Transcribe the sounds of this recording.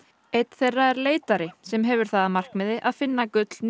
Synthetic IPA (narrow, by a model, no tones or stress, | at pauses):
ejt̪θejrːaɛɾleːjt̪aɾɪsɛmɦɛvʏɾ̥θaðamar̥kmɪðɪʔaðfɪnːakʏt̪ln